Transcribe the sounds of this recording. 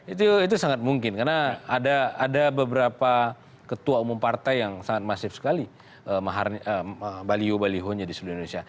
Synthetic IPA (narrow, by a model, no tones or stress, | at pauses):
it̪uit̪usaŋat̪̚muŋkɪnkarnaːdaːdabəbəɾapa | kət̪uaumʊmpart̪ajjaŋsaŋat̪̚masɪfsə̥kali | əmaɦarəəbaliobaliɦond͡ʒadisəluindonesia